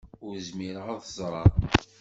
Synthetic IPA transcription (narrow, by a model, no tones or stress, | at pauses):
ʊɾzmiɾʁaðˤzˤɾˤɑ